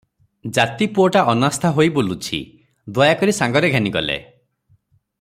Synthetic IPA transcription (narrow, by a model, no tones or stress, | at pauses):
d͡ʒat̪ipuɔʈaʔɔnast̪ʰaɦojbolut͡ʃʰḭ | d̪wɔjakɔɾisaŋɡɔɾeɡʱaniɡɔlḛ